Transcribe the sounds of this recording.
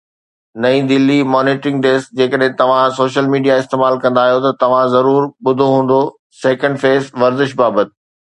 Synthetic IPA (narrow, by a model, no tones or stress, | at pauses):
nɐĩd̪ɪlːimɔːniːʈɾɪ̃ŋɡ̚ɖeːsk̚d͡ʑeːkəɗɦɪ̃t̪ɐʋ̤ãsoːʃəlmiːɖijaɪst̪eːmaːlkɐ̃nd̪aːɦijot̪ɐt̪ɐʋ̤ãzɐɾuːɾɓʊd̪ʱoɦũːn̆d̪o | sɛːkə̃ɳɖfeːsʋɐɾzɪʃbaːbət̪ɪ̥